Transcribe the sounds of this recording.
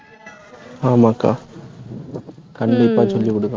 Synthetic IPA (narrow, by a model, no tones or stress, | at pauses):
aːmakːa̰ː | kɐɳɖɪpːaːt͡ɕolːikːɔɽukːaː